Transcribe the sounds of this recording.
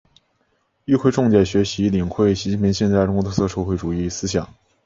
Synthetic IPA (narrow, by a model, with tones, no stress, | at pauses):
y˥˧xʰwe˥˧ɪʈ͡ʂʊ˥˧ŋt͡ɕjɛ˨˥˩ɕɥɛ˧˥ɕi˧˥li˨˩ŋxwe˥˩ɪɕi˧˥t͡ɕi˥˩n˩pʰi˧˥ŋɕjɛ˥˧nt͡sa˥˧ɪʈ͡ʂʊ˥ŋkw̪ʰɤ˥sɤ˥˧ʂɤ˥˧xwe˥˩ɪʈ͡ʂu˨˩i˥˩sɹ̩˥ɕjɑ˨˩˦ŋ